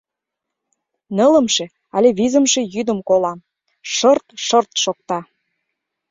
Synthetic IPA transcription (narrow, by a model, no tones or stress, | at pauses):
nələ̆mʃĕ | ɑlʲeβizə̆mʃe̽jyd̪əmkolɑm | ʃɤrt̪ʃərt̪ʃok̚t̪ɑ